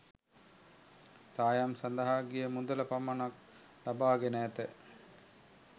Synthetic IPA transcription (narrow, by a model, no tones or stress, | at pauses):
saːjamsand̪əɦaːɡijəmund̪uləpamanak̚ | labaːɡenəæt̪ə